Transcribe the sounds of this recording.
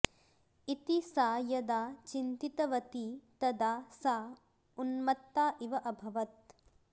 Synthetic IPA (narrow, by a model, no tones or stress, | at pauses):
it̪isaːjɐd̪aːt͡ʃint̪it̪ɐʋɐt̪it̪ɐd̪aːsaː | unmɐt̪ːaːʔiʋɐʔɐbʱɐʋɐt̪̚